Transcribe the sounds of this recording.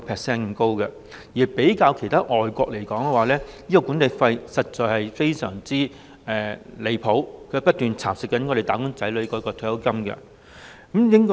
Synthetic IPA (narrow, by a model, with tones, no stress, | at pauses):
pʰɛː˨k̚sɛː˥nkɐ˨˥mko˥wkɛ˧ | jiː˨˩pe˨˥jkaː˧wkʰjt̪ʰaː˥ʔɔː˨jkʷɔː˧k̚le˨˩jkɔː˨˥ŋkɛ˧waː˨˧lɛː˥jiː˥kɔ˧kuː˨˥ne˨˧jfɐ˧jsɐ˨t̚t͡ʃɔː˨˧jhɐ˨jfe˥jsœ̰ː˨˩ŋt͡siː˥ | ɛː˨le˨˧jpʰo˨˥wkʰɵ˨˧˥pɐ˥t̚t̪yː˨nt͡sʰaː˨˩p̚sɪ˨˩kːɐ˨˥nkʰɔː˧ɾe˨˩jt̪aː˨˥kʊ˥ŋt͡sɐ˨˥jlɵ˨˧˥kɔː˧kɔː˧t̪ʰːjɐ˥wkɐ˥mkɛ̰˧ | kɐ˨˧˦mjɪ˥ŋkɔ˥